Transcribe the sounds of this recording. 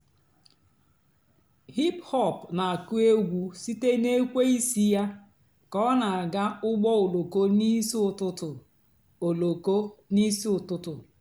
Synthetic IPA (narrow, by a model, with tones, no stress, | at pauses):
hi˦phɔ˦˨pna˨a˨ku˦e˦ɡʷu˦si˦te˦ne˦kʷe˦i˦si˦ja˦ | kɔ˦na˨a˨ɡa˦ʊ˦ɡ͡bɔ˦o˨lo˨ko˦ni˦sʊ˨tʊ˦tʊ˨ | o˨lo˨ko˦ni˦si˦ʊ˨tʊ˦tʊ˨